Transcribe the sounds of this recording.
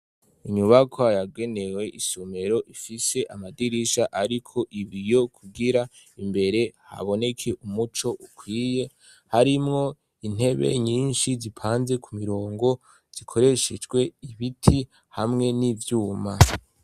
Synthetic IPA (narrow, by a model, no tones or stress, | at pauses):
iɲuβakʰoajaɡe̞ne̞we̞ʔisome̞ɾo̞ʔifise̞ʔamadiɾiʃaʔaɾikʰo̞ʔiβijo̞kʰuɡiɾa | imbe̞ɾe̞ha̰βo̞ne̞kʰe̞ʔumut͡ʃo̞ʔukwiːje̞ | haɾimŋo̞ | in̥e̞βḛɲiːnʃizipʰaːnze̞kʰumiɾo̞ːŋɡo̞ | z̥ikʰo̞ɾe̞ʃed͡ʒɡwe̞iβitʰi | hamŋe̞nivjuːma